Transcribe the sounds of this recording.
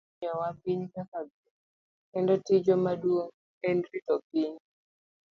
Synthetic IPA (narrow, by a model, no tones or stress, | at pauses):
ɔwapiɲkakab | ɛndɔtid͡ʒɔmadwoŋ | ɛndɾitɔpiɲ